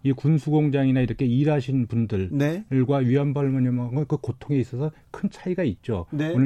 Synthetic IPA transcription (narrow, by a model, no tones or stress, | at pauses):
ikunsʰuɡoŋd͡ʑaŋinaiɾʌkʰe̞iɾɦaɕʰinpundɯɭnɡwaɥiʌnbaɭmʌɲʌmaŋɯɭkɯkotʰoŋe̞is͈ʌsʰʌ | kʰɯnt͡ɕʰaiɡait̚t͡ɕ͈oneonɯ